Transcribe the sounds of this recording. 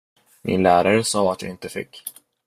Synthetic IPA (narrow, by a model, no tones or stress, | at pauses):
mʔɪ̰nlæːɾaɾəsɑːat̪jɑ̰ːɪnt̪əfɪ̰kː